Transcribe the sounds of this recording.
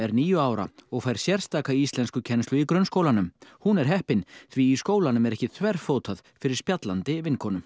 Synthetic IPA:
ɛɾniːjʏaːwɾa̰ɔɣfajɾ̥sjɛɾ̥st̪aːkaiist̪lɛnskʏcʰɛnst̪ʏikɾœnskoːwlanʏmhunɛɾ̥ɦɛhpɪnθviːskoːwlanʏmɛɾɛhcɪt̪ʰvɛr̥foːwt̪ʰaðfɪɾɪɾ̥spjat̪lant̪ɪvɪnkʰɔːnʏm

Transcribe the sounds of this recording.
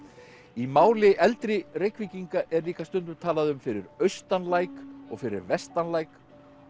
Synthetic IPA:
imaːwlɪʔɛlt̪ɾɪrejkʰviciŋkaʔɛɾliːkast̪ʏnt̪ʏɾt̪ʰaːlaðʏmfɪɾɪɾœɥst̪anlaːjkɔ̰ɣfɪɾɪ̰ɾvɛst̪anlaːjk

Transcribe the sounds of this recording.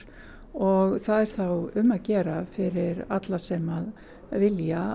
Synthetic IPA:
ɔɣθaðɛɾ̥θawʏmːaðcɛːɾafɪɾɪɾat̪lasɛmað | vɪlja

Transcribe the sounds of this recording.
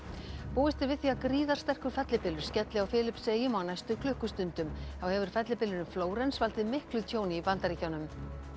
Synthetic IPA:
puːwɪst̪ɪɾvɪðθiːakɾiːðaɾ̥st̪ɛr̥kʏɾ̥fɛt̪lɪpɪlːʏɾ̥scɛt̪lɪawfɪːlɪpseːjɪmawnajst̪ʏkʰlʏhkʏst̪ʏnt̪ʏmθawhɛvʏɾ̥fɛt̪lɪpɪlːɪnʏmfloːwɾɛnsvalt̪ɪðmɪhklʏt̪ʰjoːwnɪːpant̪aɾiːcawnʏm

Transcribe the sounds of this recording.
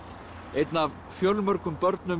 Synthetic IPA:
ejt̪nav | fjœlmœɾkʏmpœɾt̪nʏm

